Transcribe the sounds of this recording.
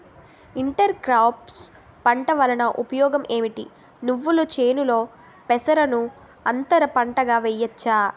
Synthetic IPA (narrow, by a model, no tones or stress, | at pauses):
iɳʈɐɾkɾawps | pɐɳʈɐʋɐlɐnɐʔupɐjɔːɡɐmʔe̞ːmiʈi | nuʋːulut͡ʃe̞ːnulo̞ː | pɛsɐɾɐnu | ɐnt̪ɐɾɐpɐɳʈɐɡaːʋɛjɐt͡ʃːaː